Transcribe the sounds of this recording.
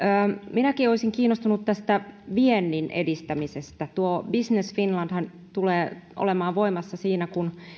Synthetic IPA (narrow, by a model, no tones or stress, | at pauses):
əːminækioisiŋkiːnːost̪unut̪t̪ːæst̪æʋienːinʔḛdist̪æmisest̪æt̪uobisnesfinlɑnd̥hɑn | t̪uleːʔo̰lemɑːʋʋo̞imɑsːɑsiːnækun